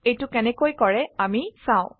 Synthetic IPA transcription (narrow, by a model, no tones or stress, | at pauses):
ejtʊkɛnɛkojkɔɹɛamisãʊ̃